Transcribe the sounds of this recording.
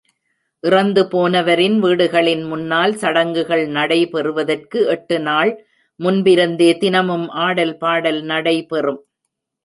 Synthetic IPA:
ʔɪrɐnd̪ɯpoːnɐʋɐɾɪnʋiːɽɯɣɐɭɪnmʊnːaːlsɐɽɐŋɡɯɣɐɭnɐɽɐɪpɛrɯʋɐðɐrkɯɛʈːɯnaːɭ | mʊnbɪɾɯnd̪eːt̪ɪnɐmɯmʔaːɽɐlpaːɽɐlnɐɽɐɪpɛrɯm

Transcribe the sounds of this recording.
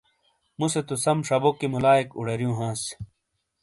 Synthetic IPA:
muset̪usɐmʂɐbokːimulaːikṵɽɐɾjũːɦãːs

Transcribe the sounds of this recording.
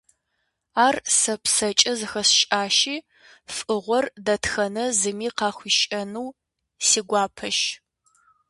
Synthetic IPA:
aːrsɐpsɐt͡ʃʼɐzɨxɐsʃʼaːʃiː | fʼɨʁʷɔrdɐtxɐnɐzɨmiːqɑːχʷiʃʼɐnuw | siːɡʷɑːpʰɐʃ

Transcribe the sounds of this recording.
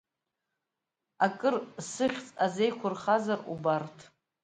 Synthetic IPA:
akʼɨrsɨχʲt͡sʼaze̞jqʷʰʊrχazarṵbartʰ

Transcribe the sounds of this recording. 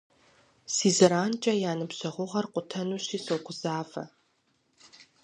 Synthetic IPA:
siːzɐɾaːnt͡ʃʼɐjaːnɨbɕɐʁʷʊʁɐrqʷʼʊtʰɐnuːɕiːsoːɡʷʊzaːvɐ̰

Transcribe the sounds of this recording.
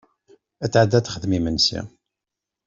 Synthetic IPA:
æt͡sːʕəd̪ːæt̪ːχəðmimənsḭ

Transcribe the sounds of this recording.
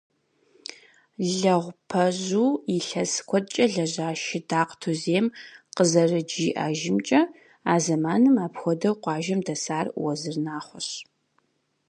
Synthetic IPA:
ɮɐʁʷpʰɐʑuːiɬɐskʷʰɔdt͡ʃʼɐɮɐʑaːʃɪdaːqtʰuzeːmqəzɐrɨd͡ʒiːʔa̰ːʒɪmt͡ʃʼɐ | aːzɐmaːnɨmaːpxʷɔdɐwqʷɑːʒɐmdɐsaːrwɐzɨrnaːχʷɔɕ

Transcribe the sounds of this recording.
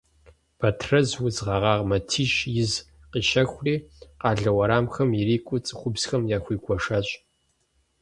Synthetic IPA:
b̥ʰɐtʰrɐzwʊzʁɑʁɑːʁmɐtʰiːʃjɪz | qiʃɐxʷriːqɑːɮɐwɐɾaːmxɐmjɪɾiːkʷʼʊt͡sʼɨχʷʊbzxɐmjaːxʷiːkʷʼɔʂɐɕʼ

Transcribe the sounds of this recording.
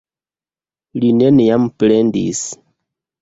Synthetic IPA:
linenijamplendḭs

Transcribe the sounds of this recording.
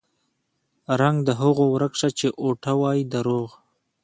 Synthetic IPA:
ɾaŋɡd̪əɦʊɣowɾəkʂat͡ʃeʔoʈawɑjid̪əɾoɣ

